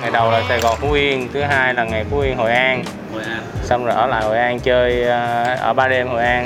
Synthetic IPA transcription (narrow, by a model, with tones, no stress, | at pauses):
ŋa˨˩jɗə˨˩wlaː˨˩saː˧jɣɔ˨˩nfu˨˦ʔi˧ənt̪ʰɨ˨˦ɦaː˧jlaː˨˩ŋa˨˩jfu˨˦ʔi˧ənɦo̰˧˨˩jʔaː˧n | sa˧wŋ͡mzo˨˩ʔəː˧˩la̰ː˧˨jho̰˨˩jʔaː˧nt͡ɕəː˧jʔə̰ː˧˩ɓaː˧ɗe˧mho̰˨jʔaː˧n